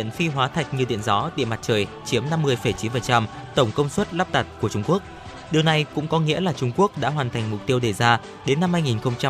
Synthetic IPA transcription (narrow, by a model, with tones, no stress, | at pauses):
nfi˧ɦwaː˨˦t̪ʰa˨˩jk̟̚ɲɨ˧ɗḭ˧˨ənzɔ˨˦t̪ḭ˧˨əma˨˩t̚t͡ɕəː˨˩jt͡ɕi˨˦əmna˧mːɨ˧əjfə˧˩jt͡ɕi˨˦nfə˨˩n̚t͡ɕa˧m | t̪ə˧˩wŋ͡mkə˧wŋ͡mswə˦˥t̚la˦˥p̚t̪a˨˩t̚ku˧˩ət͡ɕʊ˧ŋ͡mku˦˥ək̚ | ɗi˨˩əwna˨˩jkʊ̰˧˥ŋ͡mkɔ˨˦ŋḭ˧˥əlaː˨˩t͡ɕʊ˧ŋ͡mku˦˥ək̚ɗa̰ː˧˥ɦwaː˨˩nt̪ʰa˨˩ŋ̟mʊ˨˩k͡p̚t̪i˧əwɗe˨˩zaː˧ | ɗe˨˦nːa˧mhaː˧jŋi˨˩nxə˧wŋ͡mt͡ɕa˧